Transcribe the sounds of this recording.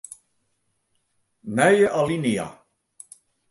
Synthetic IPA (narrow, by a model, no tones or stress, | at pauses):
nɛjeʔalinia̰